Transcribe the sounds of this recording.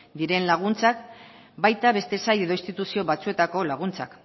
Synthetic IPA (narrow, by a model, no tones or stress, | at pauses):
d̪iɾe̞nlaɣ̞unt͡sak̚ | bajt̪aβe̞st̪e̞saje̞ðo̞inst̪it̪usio̞βat͡sue̞t̪ako̞laɣ̞unt͡sa̰k